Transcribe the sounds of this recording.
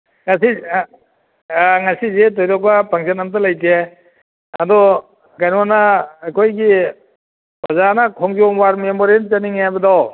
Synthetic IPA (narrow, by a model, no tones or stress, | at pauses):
ŋasi | ŋasizetɔjɾɔk̚bapaŋsanamtalajte | adɔ | ɡajnwanaːkʰojɡi | bazanakʰɔŋɡɔmwaɾmemɔɾent͡ʃaniŋajbadɔw